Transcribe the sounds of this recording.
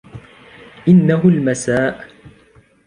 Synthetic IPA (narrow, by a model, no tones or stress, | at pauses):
ʔɪnːaɦʊlmasaːʔ